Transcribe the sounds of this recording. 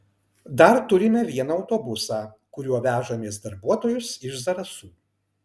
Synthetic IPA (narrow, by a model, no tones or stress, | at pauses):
d̪ɐɾt̪ʊɾʲɪmʲɛʋʲiɛnɐɐʊt̪oːbʊsɑː | kʊɾʲuɔʋʲæːʒoːmʲeːs̬d̪ɐɾbuɔt̪oːjʊsɪʃzɐɾɐsuː